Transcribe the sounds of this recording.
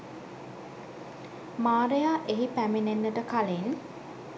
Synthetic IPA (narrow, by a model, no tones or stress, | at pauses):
maːɾejaːʔeɦipæmenenːəʈəkalen